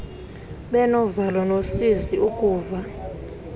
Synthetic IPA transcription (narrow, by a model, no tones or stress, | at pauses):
ɓɛnɔvalwɔnosiziukʼuːva